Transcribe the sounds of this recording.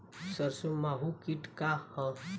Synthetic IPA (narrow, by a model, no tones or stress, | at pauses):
səɾsomaɦukiʈkahə̃